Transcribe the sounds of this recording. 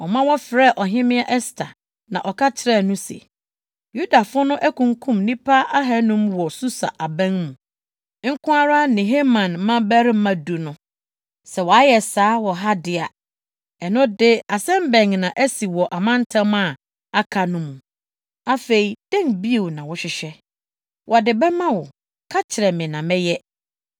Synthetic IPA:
ɔ˨mã˦wɔ˦fɪ˨ɾɛ˦˨ʔɔ˨ɦɪ̃˦mɪ̃˦a˦ʔɛ˦stʰa˨ | nã̰˨ʔɔ˨kʰa˦t͡ɕʰɪ˨ɾɛ˦˨nʊ̃˦sɛ̰˨ | ju˦da˨fʊ˦nʊ̃˦ʔæ˦kʰũ˨ŋkʰũ˦˨mnĩ˦pʰa˦a˦ɦɛ˦nʊ̃˦mwɔ˨su˦sa̰˨ʔa˨bɛ̃˦ŋmũ˨˦ | ŋ̩˦kʰʊ̃˦a˦ɾa˦nɪ̃˨ɦe˦mã˨nmã˦bæ˦ɾɪ˦m̩˦mã˨du˨nʊ̃˦ | sɛ˨wɔ˨a˦jɛ˨saː˨˦wɔ˨ɦa˦dɪ˨a˨ | ɛ˨nʊ̃˦dɪ˦a˨sɛ̃˦mbɛ̃˨ŋnã˨ʔæ˦si˨wɔ˨ʔa˨mã˦n˦tʰã˦m˦a˨ | a˦kʰa˨nʊ̃˦mũ˨ | a˦fe˨i˨d̥ɛ̃˦ŋbi˦e˨wnã˨wɔ˦ɕɪ˨ɕᶣɛ˦ | wʔɔ˨dɪ˨bɛ˦mã˦wɔ˨ | kʰa˦t͡ɕʰɪ˨ɾɛ˨mɪ̃˨nã˨mɛ̃˦jɛ˦

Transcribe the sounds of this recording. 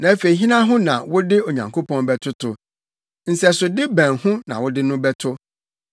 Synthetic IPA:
nã˨æ˦fe˨i˨ɦĩ˦nã˦ɦʊ̃˦nã̰˨wʊ˦dɪ˦o˨ɲã˨ŋkʰo˦pʰɔ̃˦nbɛ˦tʰʊ˦tʰʊ˨ | n̩˨sɛ˦sʊ˨dɪ˦bæ̃˨nhʊ̃˦nã̰˨wʊ˦dɪ˦nʊ̃˦bɛ˦tʰʊ˦

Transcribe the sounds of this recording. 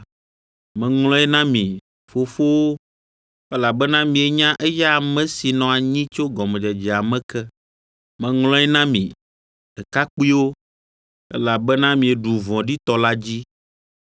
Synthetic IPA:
mɛ̃˨ŋlɔ̃˦ɛ˦nã˦mĩ˨ | fo˦fo˦wo˦ | ɛ˦la˨bɛ˦nã˦mĩ˨e˨ɲã˦ʔɛ˦ja˦˨mɛ̃˦si˨nɔ̃˨a˨ɲĩ˦t͡ʃo˦ɡɔ˨mɛ̃˨d͡ʒɛ˨d͡ʒɛ˨a˨mɛ̃˦kɛ˦ | mɛ̃˨ŋlɔ̃˦ɛ˦nã˦mḭ̃˨ | ɛ˨ka˦k͡pi˦wo˦ | ɛ̰˦la˨bɛ˦nã˦mĩ˨e˨ɖu˨vɔ̃˨ɖi˦t̪ɔ˦la˦d͡ʑi˦

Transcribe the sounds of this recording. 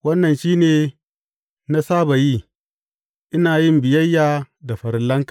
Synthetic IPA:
wɐ˦nːɐ˨nʃiː˦neː˨ | na˦saː˦ba˨ji˦ | ʔɪ˦naː˨ji˦mbɪ˨jɐ˦jːa˦da˨ɸɐ˨ɾlɐ˦ŋkḁ˨

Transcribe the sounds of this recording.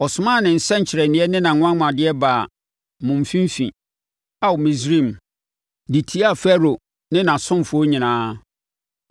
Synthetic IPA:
ɔ˨sʊ˨mã˦˨nɪ̃˨n̩˨sɛ̃˦ɲ̩˨t͡ɕʰɪ˨ɾɛ˨nɪ̃˦ɛ˦nɪ̃˦nã˨ŋʊ̃˦ã˦mã˨dɪ˦ɛ˦baː˨ | mʊ̃˨m˨fĩ˦m˦fḭ̃˨ | a˨wʊ˨mĩ˨sɾĩ˦˨m | di˨tʰi˦a˦˨fɛ˦ɾo˨ | nɪ̃˦nã˨sʊ̃˦m˨fʊ˨˦o˦ɲĩ˨nãː˦

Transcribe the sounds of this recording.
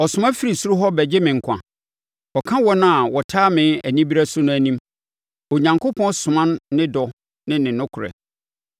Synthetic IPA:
ɔ˨sʊ˨mã˦fi˦ɾi˨su˦ɾʊ˦ɦɔ˦bɛ˨d͡ʑɪ˦mɪ̃˨ŋ̩˨kʷʰã̰˨ | ɔ˨kʰã˦wɔ˦nã˦˨a˨wɔ˨tʰaː˦mɪ̃˨˦æ˨nĩ˦bi˦ɾæ˦sʊ˦nʊ̃˦æ˨nĩ˦m | ɔ˨ɲã˨ŋkʰo˦pʰɔ̃˦nsʊ̃˨mã˦nː˦ɪ̃˦dɔ˨ | nɪ̃˦nɪ̃˨nʊ̃˦kʰʊ˨ɾɛ̰˨

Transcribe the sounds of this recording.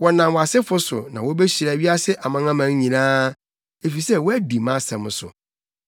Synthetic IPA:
wɔ˨nã˨mwa˨sɪ˦fʊ˦sʊ̰˨nã˨wɔ˦be˦ɕi˨ɾa˨ɥi˦a˦sɪ˦ʔa˨mã˦ŋã˦mã˨˦ɲ˦ɲĩ˨nãː˦ | e˨fi˨sɛ˦wɔ˦æ˦di˨mã˦sɛ̃˨m˦sʊ̰˨

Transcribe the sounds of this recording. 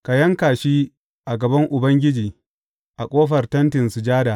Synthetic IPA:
ka˨jɐ˦ŋkaː˨ʃiː˦ | ʔa˨ɡɐ˨bɐ˦ŋʔʊ˨bɐ˦ŋɡʲɪ˦d͡ʒiː˨ | ʔa˨kʷʼoː˦ɸɐ˨rtɐ˦ntɪ˨nsu˨d͡ʒaː˦daː˨

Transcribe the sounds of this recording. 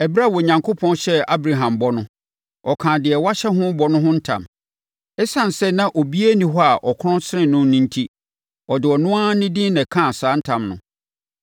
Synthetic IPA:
ɛ˨bɾa˦˨wɔ˨ɲã˨ŋkʰo˦pʰɔ̃˦nɕɛ˦a˦bɾa˨ɦã˨mbɔ˦nʊ̃˦ | ɔ˨kʰãː˨dɪ˨ɛ˨wa˦ɕɛ˦ɦʊ̃˦bɔ˦nʊ̃˦ɦʊ̃˦n̩˦tʰã̰˨m | ɛ˦sã˦n˨sɛ˦nã˦ʔo˨bi˦e˦nĩ˦ɦɔ˦a˨ʔɔ˨kʰʊ˦ɾɔ̃˦nsɪ˦ɾɪ̃˦nʊ̃˦nĩ˦n̩˦tʰi˦ | ɔ˨dɪ˨ɔ˨nʊ̃˦a˦nɪ̃˦dɪ̃˦nɛ̃˨kʰã˦˨saː˨˦n̩˦tʰã˨mnʊ̰̃˨

